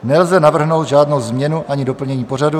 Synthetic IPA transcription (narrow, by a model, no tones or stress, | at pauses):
nɛlzɛnavr̩ɦno̞wt̪ʒaːdnowzmɲɛnuʔʔaɲɪdo̞pl̩ɲɛɲiːpo̞radu